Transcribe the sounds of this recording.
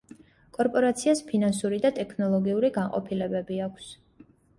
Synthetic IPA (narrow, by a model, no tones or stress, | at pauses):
kʼɔɾpʼɔɾat̪sʰiaspʰinansuɾid̪at̪ʼɛkʰnɔlˠɔɡiuɾiɡaɴqʼɔ̰pʰilɛbɛbiakʷʰs